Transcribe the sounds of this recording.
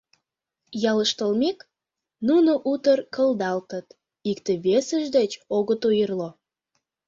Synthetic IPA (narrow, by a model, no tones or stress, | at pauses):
jɑləʃt̪əlmek | nunoʔut̪ərkəld̪ɑlt̪ət̪ | ikt̪eβesəʒd̪et͡ɕoɣət̪ujərlo